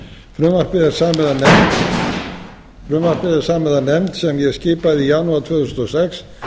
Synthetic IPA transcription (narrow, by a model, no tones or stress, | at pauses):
fɾʏːmar̥pɪðɛɾ̥saːmɛðanɛmt̪ | fɾʏːmar̥pɪðɪɾ̥saːmɛðanɛmt̪sɛmjɛscɪːpaðɪijanuaɾt̪ʰv̥ʏːθusɔsɛks